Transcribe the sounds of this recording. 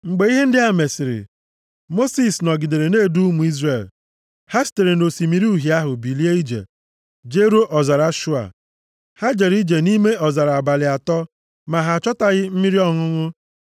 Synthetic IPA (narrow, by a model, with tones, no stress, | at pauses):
ŋ͡m̩˨ɡ͡be˨˦i˦ɦe˦n̩˦dɪ˦a˨me˨sɪ˨ɾɪ̰˨ | mo˦si˨snɔ˨ɡɪ˨de˨ɾe˨ne˦˨du˦u˦mu˨i˦zre˨l | ha˦si̥˨te˨ɾe˨n̩˨o˨si˨mi˨ɾi˦u˦˨ɦja˦ɦʊ˨bi˨li˦e˦i˦d͡ʒḛ˨ | d͡ʒe˦ɾo˦ʔɔ˨za˨ɾa˦ʃu˦a̰˨ | ha˦d͡ʒe˨ɾi˦d͡ʒe˨ni˦me˦ɔ˨za˨ɾa˨a˨ba˨lɪ˨a˨tɔ˦ | ma˨ɦa˨t͡ʃɔ˦ta˨ɣɪ˦m̩˦mi˦ɾi˦ɔ˦ŋʊ˦ŋʊ˦